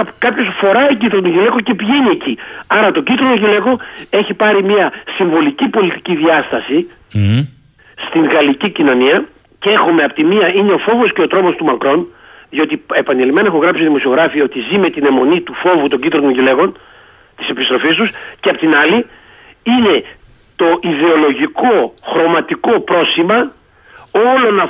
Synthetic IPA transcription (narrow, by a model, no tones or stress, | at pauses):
kɐpço̞sfo̞ɾɐiɟit̪ɾot̪oʝile̞koce̞piʝenie̞ciɐɾɐt̪o̞ɟit̪ɾot̪oʝile̞koe̞çipɐɾimiɐsiɱvo̞licipo̞lit̪i̥ciðiɐst̪ɐsi | st̪iŋɣɐlicicino̞niɐ | cee̞xome̞ɐpot̪imiɐine̞o̞fo̞vo̞sce̞o̞t̪ɾo̞mo̞st̪umɐkɾo̞n | ðio̞t̪ie̞pɐnelime̞nɐexoɣɾɐpsi̥t̪iðimo̞sio̞ɣɾɐfiɐot̪izime̞t̪ine̞mo̞nit̪ufo̞vut̪o̞ɲɟid̪ɾot̪oɲʝile̞ɣo̞n | t̪i̥se̞pist̪ɾo̞fist̪usceɐpot̪inɐli | ine̞ | t̪o̞ʔiðe̞o̞lo̞ʝiko̞xɾo̞mɐt̪iko̞pɾo̞simɐ | o̞lo̞nɐ